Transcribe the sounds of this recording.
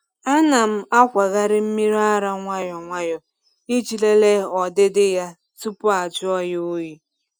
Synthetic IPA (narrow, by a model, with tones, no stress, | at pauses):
a˦na˨m̩˦a˦kʷa˨ɣa˦ɾɪ˦m̩˦mi˦ɾa˦ɾa˦ŋʷa˦jɔ˨ŋʷa˦jɔ˨ | i˦t͡ʃi˨le˦le˦ɔ˨dɪ˦dɪ˦ja˦ | tu˦pʊ˦a˨d͡ʒʊ˦ɔ˦jo˦ji˦